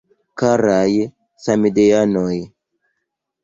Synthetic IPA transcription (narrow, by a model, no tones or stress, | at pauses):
kaɾaj | samidejanoj